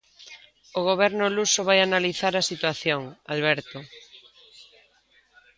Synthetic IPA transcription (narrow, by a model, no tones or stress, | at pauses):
oɣ̞oβ̞ɛɾnʊlusʊβajanaliθaɾasit̪waθjoŋalβɛɾt̪ʊ